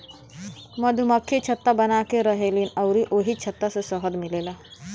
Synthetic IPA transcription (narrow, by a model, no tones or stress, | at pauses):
məd̪ʱjuməkʰːet͡ʃʰət̪ːabɐnaːkeɾəɦelinɐʊɾiʔoːɦit͡ʃʰɐt̪ːasesəɦəd̪mɪleːlaː